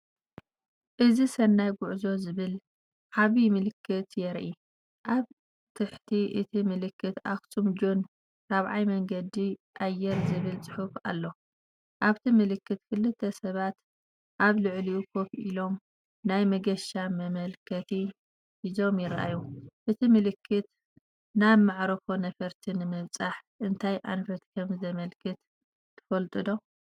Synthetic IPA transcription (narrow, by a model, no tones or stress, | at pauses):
ʔɨzisɐnːajɡʊʕzo̞zɨβɨl | ʔaβimɨlɨkʰːɨt̪jɛɾʔi | ʔaβ | t̪ʰɨħt̪ʰiʔɨt̪ʰimɨlɨkːɨt̪axt̪ʰumd͡ʒon | ɾaβʕajmɐŋɡɐd̪iʔajːɛɾzɨβɨlt͡sʼɨ̥ħufa̰lːo̞ | ʔaβt̪ʰimɨlɨkːɨt̪kʰɨlːɨt̪ʰːɐsɐβat̪ | ʔaβlɨʕliukʰofʔilo̞m | najmɐɡɐʃamɐmɐlkʰɐt̪ʰi | ʔizo̞mjɪɾaʔa̰juʔɨt̪ʰimɨlɨkʰːɨt̪ | naβmaʕɾɐfonɐfɐɾt̪ʰinɨmɨβt͡sʼaħʔɨnt̪ʰajʔa̰nfɐt̪kʰɐmzɐmɐlkʰɨt̪ | t̪ʰːɨ̥fɐlt̪ʼɨd̪o̞